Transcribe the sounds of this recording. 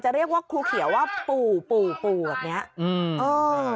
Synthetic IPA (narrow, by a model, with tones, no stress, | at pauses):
t͡ɕa˨˩ʔɾi˥˩ək̚waː˥˩kʰuː˧kʰi˨˩˦waː˥˩puː˨˩puː˨˩puː˨˩baː˨˩ni˦˥ɐʔːʔɤː˧